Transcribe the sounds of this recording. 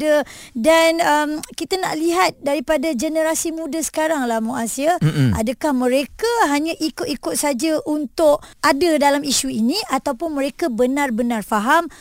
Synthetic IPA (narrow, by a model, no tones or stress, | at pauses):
dədanəmkit̪ana̰ʔliɦat̪̚daɾipadad͡ʒənəɾasimũdasə̥kaɾaŋlahmoasiaa̰dakahmə̃ɾekaɦaɲãʔikʊt̪ikʊt̪̚sad͡ʒaʔunt̪ʊʔ̚ʔadadalamiʃuinĩat̪awpʊnməɾekabənarbənarfaɦam